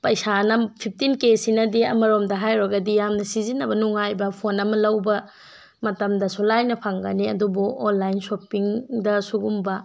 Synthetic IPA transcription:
pɐjsanɐpʰip̚ʰtinkesinɐdiɐmɐɾomdɐɦajɾɐɡɐdijamnɐsizinːɐbɐnuŋajbɐpʰonɐmɐlɐwbɐ | mɐtɐmdɐsolajnːɐpʰaŋɡɐniɐdubuonlajnsopiŋdɐsuɡumbɐ

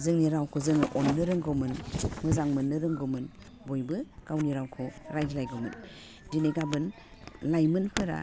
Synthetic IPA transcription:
zɯŋniɾawkʰɯzɯŋʔɔnːɯɾɯŋɡɔmɯnmɯzaŋmɯnːɯɾɯŋɡɔmɯn | bojbɯɡ̥awniɾawkʰɯɾajdilajɡɔmɯn | dineɡabɯn | lajmɯnpʰɯɾa̰

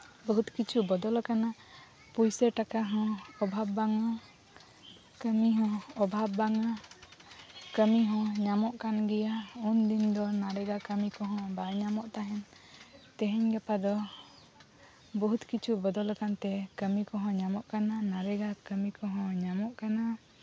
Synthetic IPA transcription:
bɔɦut̪kit͡ʃʰubɔd̪ɔlkana | pujsəʈakaɦɔ̃ɔbʱabːaŋa | kəmiɦɔ̃ɔbʱabːaŋa | kəmiɦɔ̃ɲamɔʔkanɡɛjaund̪ind̪ɔnaɾɛɡakəmikɔɦɔ̃baʔɲamɔʔt̪aɦɛn | t̪ɛɦɛɲɡɛpad̪ɔ | bɔɦut̪kit͡ʃʰubɔd̪ɔlkant̪ɛkəmikɔɦɔ̃ɲamɔʔkananaɾɛɡakəmikɔɦɔ̃ɲamɔʔkana

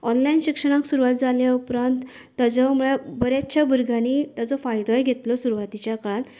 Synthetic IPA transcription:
ɔnlainɕikʂəɽ̃ãksuɾuʋat̪̚d͡zaljaupɾant̪ː | ad͡zɔmuɭabəɾjat͡ɕjabəɾɡʱanit̪ad͡zɔfajd̪ɔjɡʱet̪lɔsuɾuʋat̪it͡ɕjakɭãn

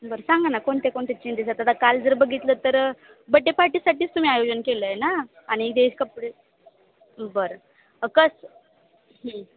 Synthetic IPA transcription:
bəɾsãŋɡanːakoɳt̪ekoɳt̪et͡ɕind̪isat̪at̪akald͡zəɾbəɡʱit̪lət̪əɾ | bəʈːepaɾʈiːsaʈiːt͡st̪um̤iajod͡ʑənkeləenaː | ɽ̃id̪eskəpɽe | bəɾ | kəs | ɦi

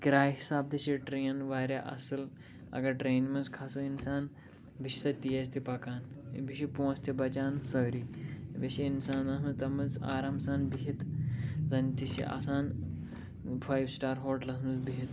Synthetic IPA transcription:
kiɾaːjɦisaːb̚d̪iʃiʈɾeːjɐnʋaːɾʲaʔɐ̰sɨl | ɐ̰ɡɐʈɾeːnmɐnzkʰasuinsaːn | biʃi̥sɐt̪ijɐst̪ipɐkaːnbiʃipõːst̪ʰibɐt͡ʃaːnsɐːɾiʋeʃiinsaːnɐɦɨt̪ɐmɐza̰ːɾaːmsaːnbiɦit̪zɐnt̪iʃḭʔa̰ːsaːn | fʰaːjbsʈaːɾɦoːʈlɐɦnɨzbiɦit̪

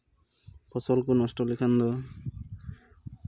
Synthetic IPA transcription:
pʰɔsɔlkunɔsʈɔlikʰand̪ɔ

